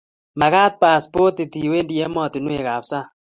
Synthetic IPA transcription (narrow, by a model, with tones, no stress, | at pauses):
ma˨ɣa˦t̪̚pa˨spo˦t̪e˨t̪i˨we˦ndi˦ɛ˦mɔ˦˨t̪ɪ˨nwe˨ɣa˨psa˦